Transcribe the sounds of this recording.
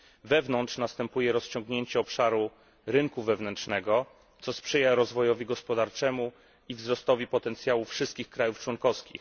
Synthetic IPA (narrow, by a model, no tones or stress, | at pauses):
vɛvnɔntʂnast̪ɛmpujɛɾɔst͡ɕɔ̃ŋɡɲeɲt͡ɕɛɔpʂaɾu | ɾɘŋkuvɛvnɛntt͡ʂnɛɡɔ | t̪sɔspʂɛjaɾɔzvɔjɔvʲiɡɔspɔd̪aɾt͡ʂɛmu | ivzɾɔst̪ɔvʲipɔt̪ɛnt̪sjawufʂɘst̪kʲixkɾajuft͡ʂwɔnkɔfskʲḭx